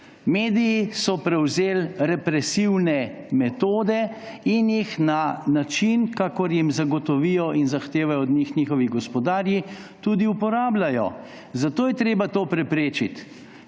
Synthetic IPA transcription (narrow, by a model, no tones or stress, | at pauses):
meːd̪ijisɔpɾɛwzeːlɾɛpɾɛsiwnɛ | mɛt̪oːd̪ɛ | injixnanat͡ʃinkaːkɔɾjimzaɡɔt̪ɔʋijɔʔinzaxt̪eːʋajɔːd̪ɲixɲiːxɔʋiɡɔspɔd̪aːɾji | t̪uːd̪iupɔɾaːblajɔ̰ | zat̪oːjɛt̪ɾeːbat̪oːpɾɛpɾeːt͡ʃit̪